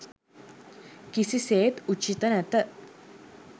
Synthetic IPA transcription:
kisiseːt̪ut͡ʃit̪ənɛt̪ə

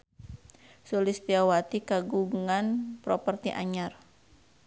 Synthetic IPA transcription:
sulɪst̪iawat̪ikaɡuŋanpɾopərt̪iʔa̰ɲar

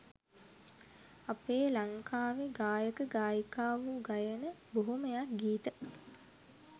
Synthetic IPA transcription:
apeːlaŋkʰaːʋeɡaːjəkəɡaːjəkaːʋuɡajənəboɦuməjak̚ɡiːt̪ə

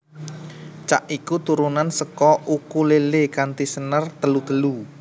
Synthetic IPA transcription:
t͡ʃa̰ʔikut̪uɾunansəkɔʔukulelekant̪isənərt̪əlud̪əlu

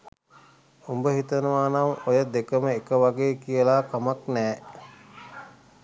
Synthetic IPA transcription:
umbəɦit̪ənəʋaːnaŋojəd̪ekəməekəʋaɡeːkijəlaːkamaknɛː

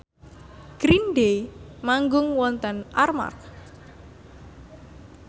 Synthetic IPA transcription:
ɡ̥ɾinɖemaŋɡʊŋwɔnt̪ənʔarma̰r

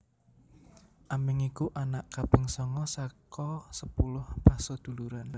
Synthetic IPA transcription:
ʔamɪŋikuʔanaʔkapɪŋsɔŋɔsakɔsəpulʊhpasɔd̪̥ṳluɾan

